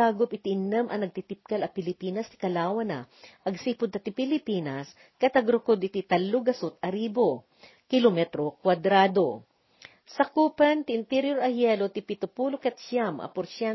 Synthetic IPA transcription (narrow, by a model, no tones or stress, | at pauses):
aːɡopɪt̪ɪʔɪnɛmʔɐ̰nɐɡ̚t̪it̪ɪp̚kɐlɐpɪlɪpiːnɐst̪ɪ̥kɐlaːwɐnɐʔɐɡsiːpʊd̪̚ɐt̪ɪpɪlɪpiːnɐs | kɐt̪ɐɡɾʊkod̪ʔɪt̪it̪ɐlːʊɡɐsʊt̪̚ɐɾiːbo | kɪlomɛt̪ɾokwad̪ɾaːd̪o | sɐkuːpɐnt̪ɪʔɪnt̪ɛɾjoɾɐhjɛlot̪ɪpɪt̪ʊpuːlokɛt̪̚ʃamʔɐ̰pʊɾsja